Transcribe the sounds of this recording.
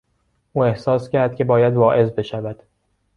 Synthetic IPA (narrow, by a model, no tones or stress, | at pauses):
ʔuːe̞hsɒːscʰæɾd̪̥̚kʲcʰebɒːjæd̪vɒːʔe̞zbe̞ʃævæd̪̥